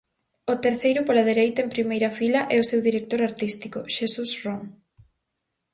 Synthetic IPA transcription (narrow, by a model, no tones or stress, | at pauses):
ʊt̪eɾθejɾʊpolaðeɾejt̪ɐempɾimejɾɐfilɐʔɛʊsewðiɾek̚t̪oɾaɾt̪ist̪ikʊʃesusrɔŋ